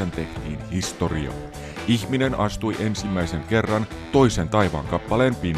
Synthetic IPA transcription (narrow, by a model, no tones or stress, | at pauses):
ent̪e̞ht̪ḭːnhist̪o̞rio̰ː | içmine̞nʔɑst̪ujʔe̞nsimːæjse̞ŋke̞rːɑn | t̪o̞jsent̪ɑjʋɑ̰ːŋkɑpːɑlempiːn